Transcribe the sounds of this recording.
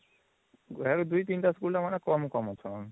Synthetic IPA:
ɛkod̪ujt̪inʈaskulʈamanekɔmukɔmɔt͡ʃʰɔn

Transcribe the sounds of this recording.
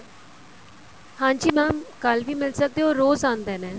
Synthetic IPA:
hãːɲd͡ʒiːmɛ̃ːkəlʋiːmɪlsək̚d̪eɦoːɾoːzãːnd̪eːnɛ̃ː

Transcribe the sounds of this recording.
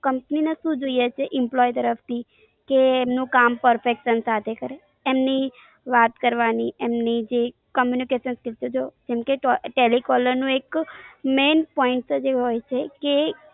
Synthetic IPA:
kəmpəninaʃũd͡ʒoijet͡ʃʰeʔɪmplɔjt̪əɾəft̪ʰi | keːmnũkampəɾfekʃənsat̪ʰekəɾeː | mni | ʋat̪kəɾʋaniemnid͡ʒe | kəmjunikeʃənskɪlt͡ʃud͡ʒod͡ʒɛmkeʈʈelikɔləɾnũekmenpɔɪɳʈsd͡ʒeɦojt͡ʃʰeke

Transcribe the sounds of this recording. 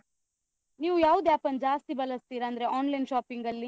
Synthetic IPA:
niːʋujaːʋud̪eaːpɐnd͡ʒaːst̪ibɐlɐst̪iːɾaːnd̪ɐɾeʔaːnlɐjnʃaːpiŋɡɐlːi

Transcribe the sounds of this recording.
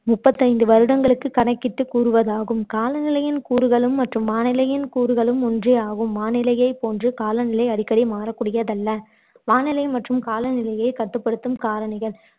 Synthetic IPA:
mʊpːɐt̪ːɐɪnd̪ɯʋɐɾɯɽɐŋɡɐɭɯkːɯkːɐɳɐɪkːɪʈːɯkːuːɾɯʋɐðaːɣɯmkaːlɐnɪlɐjɪnkuːɾɯɣɐɭɯmːɐʈrɯmʋaːnɪlɐjɪnkuːɾɯɣɐɭɯmɔndriaːɣɯmʋaːnɪlɐjɐɪpːoːndrɯkaːlɐnɪlɐɪɐɽɪkːɐɽimaːɾɐkːuːɽɪjɐðɐlːɐ | ʋaːnɪlɐɪmɐʈrɯmkaːlɐnɪlɐjɐɪkɐt̪ːɯpːɐɽɯt̪ːɯmkaːlɐnɪɣɐɭ

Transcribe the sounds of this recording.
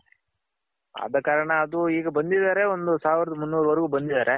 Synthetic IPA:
ɐ̰d̪ɐkaːɾɐɳɐːd̪uiːɡɐbɐnd̪id̪aːɾe̞o̞nd̪usaːʋiɾɐd̪umunːuːɾʋɐɾɐɡuːbɐnd̪id̪aːɾe

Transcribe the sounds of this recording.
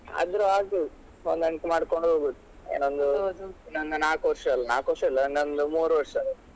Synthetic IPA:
ɐ̰d̪ɾuaːɡi | ond̪ɐɳkemaːɽkoɳɖoɡut̪ːu̥ | ḛnond̪ud̪uenond̪unaːkʋɐɾʂɐɐlːɐnaːkʋɐɾʂɐɐlːɐnond̪umuːɾʋɐɾʂɐl

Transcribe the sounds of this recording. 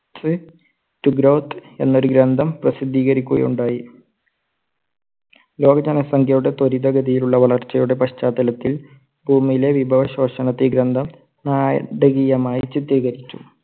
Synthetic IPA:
sɨ | tuɡɾɐwt̪ʰe̞nːo̞ɾuɡɾɐnd̪ʱɐmprɐsid̪ʱːiːɣɐɾikʲːuɣɐ̰juɳɖaːji | lo̞ːɡɐd͡ʑɐnɐsɐŋɡʰʱjɐjuɽet̪o̞ɾid̪ɐɡɐd̪ijiluɭːɐʋɐɭɐrt͡ɕːɐjuɽe̞pɐɕt͡ɕaːd̪ɐlɐt̪ːil | bʱuːmːijle̞ʋibʱɐʋɐɕo̞ːɕɐnɐt̪ːiɡɾɐnd̪ʱɐm | naːjɐ̰ɖɐɣijɐmaːjit͡ɕit̪riːɣɐɾit͡ɕːu

